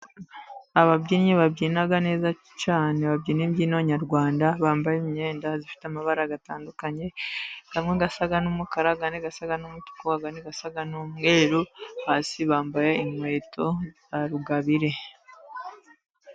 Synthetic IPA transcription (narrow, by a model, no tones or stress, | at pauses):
aβabɟiːnɲeβabɟiːnaɡane̞ːza | caːne̞βabɟiːnembɟiːnaβaɲaɾɡwaːndaβaːmbajemiɲe̞ːndazifi̥tamaβaɾaɡataːndukaɲe̞hamŋeɡasaɡanumukaɾaɡaniɡasaɡanumutu̥kuaɡaniɡasaɡanumɡe̞ːɾohaːsiβaːmbajaimwe̞ːtʰo̞ | aɾuɡaβiɾe̞